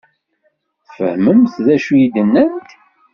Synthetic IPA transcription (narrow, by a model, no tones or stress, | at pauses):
fə̰hməmθðæʃujid̪ənːænt̪